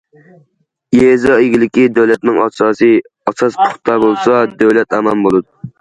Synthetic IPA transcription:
jezɑeɡʲilɪkʲid̪æwlɛt̪̚nɪŋɑsɑːsɨ | ɑsɑspʰʊ̥χt̪ʰɑbolˠsɑd̪æwlɛt̪ʰɛmɛnbolˠud̪u

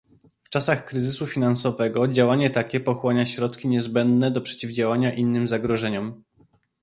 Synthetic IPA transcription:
ft͡ʂasaxkɾɘzɘsufʲinansɔvɛɡɔd͡ʑawaɲɛt̪akʲɛpɔxwɔɲaɕɾɔt̪kʲiɲɛzbɛnd̪nɛd̪ɔpʂɛ̥t͡ɕivd͡ʑawaɲaʔinːɘmzaɡɾɔʐɛɲɔm

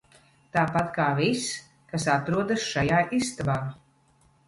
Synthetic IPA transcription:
t̪aːpat̪kaːvʲis | kasat̪ɾuɔd̪asʃajaːʔist̪abaː

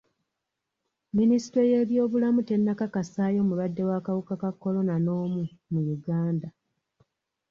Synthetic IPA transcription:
minisi̥tɾeje̞ːβjo̞ːβulamute̞nːakakasaːjo̞ːmuβadːe̞waːkawukakakːo̞lo̞nano̞ːmumujuɡaːnda

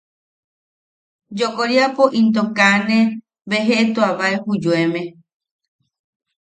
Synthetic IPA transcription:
d͡ʒokoɾiapoʔint̪̬okanẽ | βeɦeʔet̪oaβaehud͡ʒuemẽ

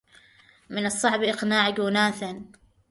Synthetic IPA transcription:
mɪnɨsˤːɑʕbʔɪqnaːʕɪɡuːnaːθan

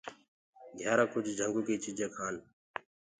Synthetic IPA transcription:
ɡʱjaːɾãːkʊd͡ʒʱd͡ʒʱəŋɡuːkeːt͡ʃiːd͡ʒʱẽːkʰaːn

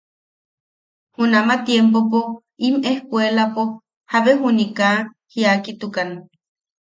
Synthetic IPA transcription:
hunamat̪jempopo | imehkʷelapo | haβeɦunika | hiakit̪ukan

